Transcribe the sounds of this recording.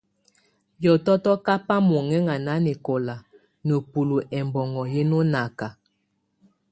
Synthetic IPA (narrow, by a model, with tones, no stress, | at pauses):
jɔ˨tɔ˦tɔ˦ka˦pa˦mɔ˨ŋɛ˦ŋa˨na˨˦ne˨ko˨la˨ | nə˨pu˨lu˨ʔɛ˨mbɔ˨ŋɔ˨je˦no˦na˨ka˨